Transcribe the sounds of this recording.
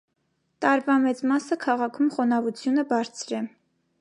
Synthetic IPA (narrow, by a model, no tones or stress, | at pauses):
t̪ɑɾvɑmɛt͡smɑsəkʰɑʁɑkʰumχɔnɑvut͡sʰjunəbɑɾt͡sʰɾɛ